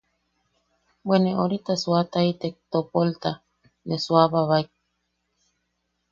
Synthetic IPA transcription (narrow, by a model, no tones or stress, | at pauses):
bweneoɾit̪aswat̪ait̪ek̚t̪opolt̪a | neswaβaβaik̚